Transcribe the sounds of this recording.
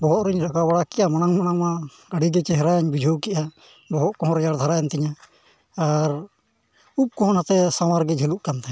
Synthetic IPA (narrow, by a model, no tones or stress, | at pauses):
bɔɦɔt̪ɾiɲɾakabaɽakɛʔamanaŋmañaŋmãɡəɽiɡɛt͡ʃɛɦɾajɲbid͡ʒʱowkiʔa | bɔɦɔt̪̚kɔɦɔ̃ɾɛjaɽd̪ʱaɾajɛnt̪iɲa | aɾ | up̚kɔɦɔnɦat̪ɛsamaɾɡɛd͡ʒʱeluʔkant̪ɛ